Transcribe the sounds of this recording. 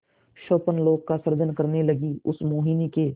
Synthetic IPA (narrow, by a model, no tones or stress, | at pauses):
ʃoːpənloːɡ̚kasɐɾd͡ʒənkəɾneləɡiʊsmoːɦinike